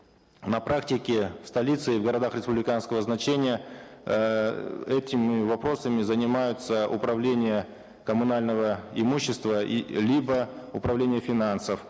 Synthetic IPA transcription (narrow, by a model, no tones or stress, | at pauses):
nɐpɾʔaktʲɪkʲɪfst̪ɐlʲit̪sɨɪvɡəɾɐd̪axɾʲɪspʊblʲɪkanskəvəznɐt͡ɕenʲɪjə | ɛtʲɪmʲɪvɐpɾo̞səmʲɪzənʲɪmajʊt̪səʔʊ̰pɾɐvlʲenʲɪjə | kəmʊnalʲnəvəɪmuɕːɪst̪vəlʲibəʊpɾɐvlʲenʲɪjəfʲɪnansəf